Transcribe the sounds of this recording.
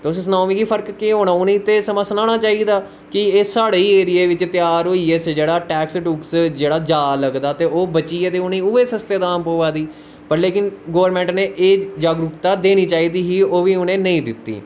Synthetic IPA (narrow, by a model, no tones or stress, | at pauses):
t̪eʊssnaːmiːɡiːpʰəɾkkeɦoːnaːʊnĩːt̪eːsəmãːsənãːɳ̃aːt͡ʃaːiːd̪aː | kɪeːsaːɽeiːeːɾɪeːʋɪt͡ʃt̪jaːɾɦoːiːeːsd͡ʒeːɽaːʈɛːksʈuːksd͡ʒeːɽaːd͡ʒaːləɡd̪aːt̪eːoːbət͡ʃiːeːt̪eːʊnĩːʊʋeːsəst̪eːd̪aːmpoːʋaːd̪iː | pəɾleːkɪnɡoːʋəɾmɛ̃ːɳʈneːʔeːd͡ʒaːɡɾʊkt̪aːd̪eːniːt͡ʃaːiːd̪iːɦiːoːʋiːʊnẽːnəĩːd̪ɪt̪ːḭː